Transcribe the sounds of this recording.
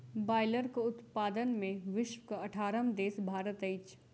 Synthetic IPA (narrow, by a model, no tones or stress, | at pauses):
baːɪləɾkoʊt̪paːd̪ənmẽʋɪʃwkɐɐʈʰaːɾəmd̪eːsbʱaːɾət̪ɐɪt͡ʃ